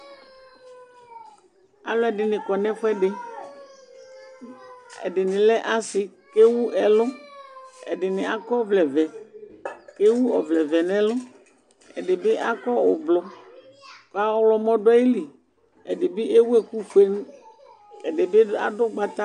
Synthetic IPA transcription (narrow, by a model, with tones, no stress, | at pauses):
a̰˨lʊ˦ɛ˨ɖɪ˨nɪ̃˨kɔ˨nɛ̃˦ɸʊ˦ɛ˦ɖɪ˨ | ḛ˨dɪ˨nɪ̃˨lɛ˦ʔa˦sɪ˨ke˦wu˦ɛ˨lʊ˦ | ɛ̰˨dɪ˨nɪ̃˨a˦kɔ˦vlɛ˨vɛ˨ | ke˦wu˦ɔ˨vlɛ˨vɛ˨nɛ̃˦lʊ˦ | ɛ̰˨dɪ˨bɪ˦ʔa˦kɔ˦ʊ˨blʊ˨ | kɔ˨a˦wlɔ˦mɔ̃˦ɖʊ˦ɔ˦ji˦li˨ | e˨dɪ˨bɪ˦e˦wu˦e˦ku˦ɸe˦n˦ | e˨dɪ˨be˦a̰˨dʊ˦ɡ͡ba˦t̪a˦